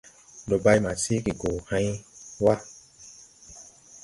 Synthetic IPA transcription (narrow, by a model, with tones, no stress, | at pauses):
do˨ba˧jmã˨se˦ki˨ɡo˨hã˧˦i˦wa˦